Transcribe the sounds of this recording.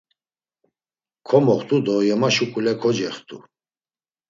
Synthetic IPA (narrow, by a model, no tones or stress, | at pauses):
kʰɔmɔχt̪ʼud̪ɔjɛmaʃukʼulɛkʰɔd͡ʒɛχt̪ʰʼṵ